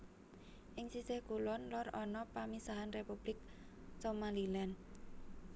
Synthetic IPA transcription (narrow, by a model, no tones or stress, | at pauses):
ʔɪŋsisɪhkulɔnlɔrɔnɔpamisaɦanrepub̥lɪk̚ | somalilɛn